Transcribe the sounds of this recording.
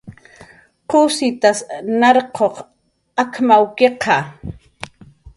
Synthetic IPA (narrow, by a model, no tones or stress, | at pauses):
qʊsɪt̪asnɑɾqʰoq | akmawkeqʰɑ